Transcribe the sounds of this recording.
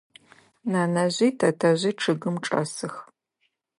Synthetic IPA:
naːnɐʑʷiːtʰɐtʰɐʑʷiːʈ͡ʂʰɨɣɨmʈ͡ʂʼɐ̰sɨx

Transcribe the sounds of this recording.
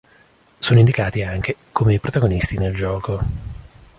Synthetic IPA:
soːnoind̪ikaːt̪iaŋk̟ekomeipɾot̪aɡonist̪ineld͡ʒɔːko

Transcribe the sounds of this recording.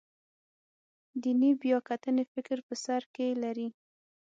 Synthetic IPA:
d̪inibjɑkat̪ənefɪkɾpəsaɾkelaɾi

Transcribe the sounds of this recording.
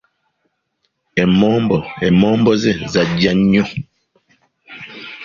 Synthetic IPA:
ɛmɔmbɔɛmɔmbɔzɛzad͡ʒaɲo

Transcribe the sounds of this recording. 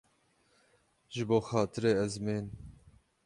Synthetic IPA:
ʒɨboːxɑːt̪ʰɨɾeːɛzmeːn

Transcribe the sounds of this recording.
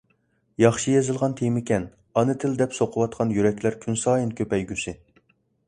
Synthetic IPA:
jɑχʃijezɨlˠʁɑnt̪ʰemɪkʲɛn | ɑnɨt̪ʰɪld̪ɛpsoqʰəwɑt̪̚qʰɑnjyɾɛkʲʰlæɾkʲʰynsɑːjinkʲʰøpɛjɡʲysɪ

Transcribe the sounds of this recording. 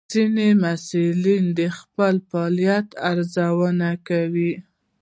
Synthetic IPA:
zinemasulind̪əxpəlfɑlijat̪aɾzawənakawi

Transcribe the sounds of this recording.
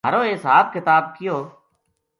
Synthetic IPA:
aːɾoːesaːbkɪt̪aːb̚kɪjoː

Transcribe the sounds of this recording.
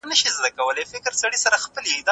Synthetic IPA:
nəʃizd̪akawəlefɪkɾsaɽisaɾaxpəliid̪

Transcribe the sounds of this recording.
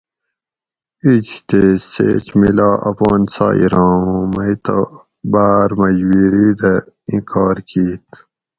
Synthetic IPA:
it͡ʃt̪esḛːt͡ɕmilɑːʔɐpoːnsɑ̰ːḭɾɑ̃ːũmɐit̪ɐ | baːɾmɐd͡ʑwiːɾiːd̪ɐ | ĩkɑːɾkiːt̪

